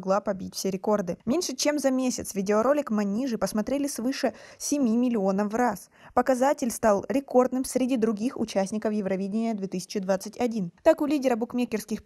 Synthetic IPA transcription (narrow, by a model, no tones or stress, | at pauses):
ɡlˠapɐbʲit̚ʲfsʲeɾʲɪko̞rd̪ɨmʲenʲʂɨt͡ɕe̞mzɐmʲesʲɪt̪svʲɪdʲɪoɾo̞lʲɪkmɐnʲiʐɨpəsmɐt̪ɾʲelʲɪsvɨʂəsʲɪmʲimʲɪlʲɪo̞nəfras | pəkɐzatʲɪlʲst̪ɑlˠɾʲɪko̞rd̪nɨmsʲɾʲɪdʲid̪ɾʊɡʲixʊ̰t͡ɕæsʲnʲɪkəfjɪvɾɐvʲidʲɪnʲɪjəd̪vʲet̪ɨsʲɪ̥t͡ɕɪd̪vat̪sɨtʲɐdʲint̪akʊlʲidʲɪɾəbʊkmʲekʲɪrskʲɪx